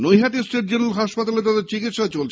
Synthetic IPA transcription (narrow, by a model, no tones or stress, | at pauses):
nojɦat̪isʈeʈ̚d͡ʑenulɦaʃpat̪alet̪ad̪eɾt͡ɕikit̪ʃat͡ɕolt͡ɕʰ